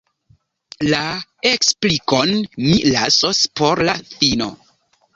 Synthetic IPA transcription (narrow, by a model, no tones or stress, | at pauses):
laeksplikonmilasospo̞ɾlaθino̰